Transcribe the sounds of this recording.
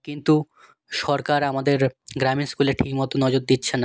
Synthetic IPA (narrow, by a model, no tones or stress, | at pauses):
kint̪u | ʃɔɾkaɾamad̪eɾɡɾaminskuleʈʰikmɔt̪onɔd͡ʑoɾd̪itːɕʰena